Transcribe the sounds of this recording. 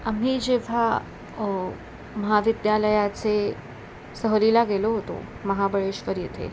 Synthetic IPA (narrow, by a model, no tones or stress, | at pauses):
am̤id͡ʑeʋ̤a | məɦaʋid̪jaləjat͡se | səɦɾilaɡeloɦot̪o̰məɦabəɭeɕʋəɾjet̪ʰḛ